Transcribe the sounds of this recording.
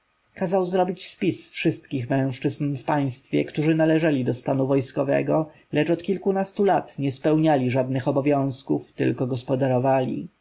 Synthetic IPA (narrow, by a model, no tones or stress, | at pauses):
kazawzɾɔbʲit͡ɕspʲisfʂɘst̪kʲixmɛ̃w̃ʂt͡ʂɘznfpaj̃st̪fʲjɛ̰kt̪uʐɘnalɛʐɛlʲid̪ɔst̪anuvɔjskɔvɛ̰ɡɔ | lɛt͡ʂɔt̪kʲilkunast̪ulat̪ɲɛspɛwɲalʲiʐad̪̚nɘxɔbɔvʲjɔ̃w̃skuft̪ɘ̰lkɔɡɔspɔd̪aɾɔvalʲḭ